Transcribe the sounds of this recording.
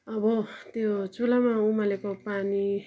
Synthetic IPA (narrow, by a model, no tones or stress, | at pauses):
ʌbʌt̪jot͡sulamaumalekopani